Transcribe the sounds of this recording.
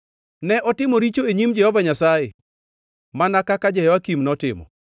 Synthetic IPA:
nɛʔɔtɪmoɾit͡ʃoeɲimd͡ʒɛhɔvaɲasaje | manakakad͡ʒɛjɛwakimnɔtɪmɔ̰

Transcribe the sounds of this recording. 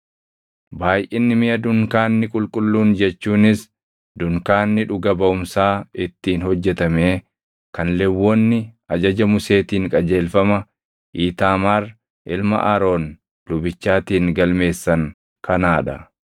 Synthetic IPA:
baːjʔɪnːɪmɪjɐd̪ʊŋkaːnːɪkʼʊlkʼʊlːuːnd͡ʒɛt͡ʃːuːnɪs | d̪ʊŋkaːnːɪᶑʊɡɐbɐʔʊmsaːɪt̪ːiːnhɔd͡ʒːɛt̪ɐmeː | kɐnlɛwːoːnːɪɐd͡ʒɐd͡ʒɐmʊse̞ːt̪iːŋkʼɐd͡ʒe̞ːlfɐmɐ | ʔiːt̪aːmaːɾ | ʔɪlmɐ̰ʔɐɾo̞ːn | d̪̥ʊbɪt͡ʃːaːt̪iːŋɡɐlme̞ːsːɐŋ | kʰɐnaːᶑɐ

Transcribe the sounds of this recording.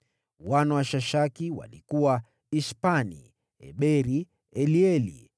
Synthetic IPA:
wanɔwaʃaʃakiwa̰likuwa | ispanḭ | ɛ̰ɓɛɾi | ɛliɛlḭ

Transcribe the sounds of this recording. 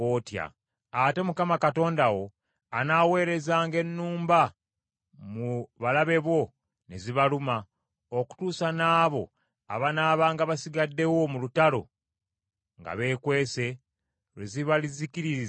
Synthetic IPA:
otja̰ | ate̞mukamakato̞ːndawo̞ | anawe̞ːɾe̞zaːŋɡe̞nːuːmba | muβalaβe̞βwo̞ | ne̞ziβaluma | oku̥tuːsanaːβo̞̰ | a̰βanaːβaːŋɡaβasiɡadːe̞wo̞mulutalo̞̰ | ŋɡa̰βe̞ːkwe̞ːse̞ | ɾweziβalizikiɾiɾiz

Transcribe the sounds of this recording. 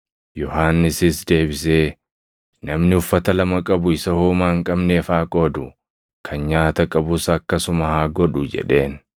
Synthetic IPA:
jɔhaːnːɪsɪsd̪e̞ːbɪse̞ː | nɐmnɪʊfːɐt̪ɐlɐmɐkʼɐbʊɪsɐhuːmaːŋkʼɐbneːfaːkʼo̞ːd̪ʊ | kʰɐnɲaːt̪ɐkʼɐbʊsɐːkːɐsʊmɐhaːɡɔᶑʊd͡ʒɛ̰ᶑe̞̰ːn

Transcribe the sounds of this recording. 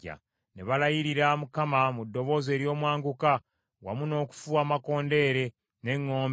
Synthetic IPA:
a̰ | neβalajiɾiɾamukamamudːo̞βo̞ːze̞ːɾjo̞ːmwaːŋɡuka | wa̰muno̞ːku̥fuaːmako̞ːnde̞ːɾe̞ | ne̞ŋːo̞ːm

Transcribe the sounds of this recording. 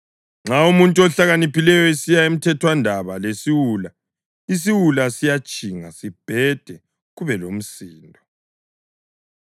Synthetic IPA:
ŋ͡ǁaumuntʼuɔɬaɣanipʰilɛjɔesijaem̩tʰɛtʰwandʱaβalesiwula | is̬iwulasijat͡ʃʼiŋa̰sib̥ʱɛd̥ʱɛ | ɣuβɛlom̩siːndʱɔ

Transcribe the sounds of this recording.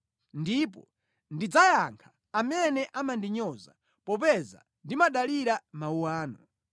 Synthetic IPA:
ndipɔ̰ | ndid͡zajaŋkʰḁːmɛnɛʔamandiɲɔza̰ | pɔp̬ɛza̰ | ndimaɗaliɾamauwaːnɔ

